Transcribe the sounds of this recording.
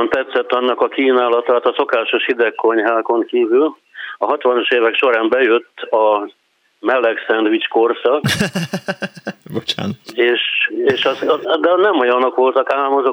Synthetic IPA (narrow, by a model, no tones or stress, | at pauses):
nt̪ɛt̪sɛt̪ːɒnːɒkɒkiːnaːlɒt̪aːt̪ɒso̞kaːʃo̞ʃhid̪ɛkːo̞ɲɦaːko̞ŋkiːvyl | ɒɦɒt̪ʋɒnoʃeːvɛkʃo̞ɾaːmbɛjøt̪ːɒ | mɛlːɛksɛnd̪ʋit͡ʃko̞rsɒ | bot͡ʃa̰ːneːʃeːʃɒzd̪ɛnɛmojɒno̞kʋo̞lt̪ɒkaːlmɒzo